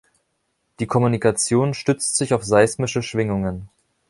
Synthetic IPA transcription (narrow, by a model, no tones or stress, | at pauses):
d̥iːkʰɔmunikat͡sjoːnʃtʏt͡stz̥ɪçaʊfz̥aɪsmɪʃəʃv̥ɪŋʊŋən